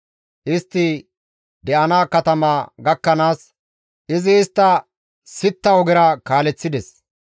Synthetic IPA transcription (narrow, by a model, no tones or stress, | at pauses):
ʔɪst̪ːɪ | d̪ɛʔɐnaːkɐt̪ɐmaːɡɐkːɐnaːs | ʔɪzɪːst̪ːɐ | sɪt̪ːɐwɔɡɛɾɐkaːlɛt͡sːɪd̪ɛs